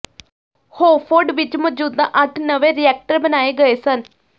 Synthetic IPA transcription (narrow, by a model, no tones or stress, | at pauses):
hoːfoːɖʋit͡ɕːmɐd͡ʑuːd̪ːɐʔɐʈːnɐʋeɾijaːk̚ʈɐɾbɐnaːjɐɡɐjɐsaːn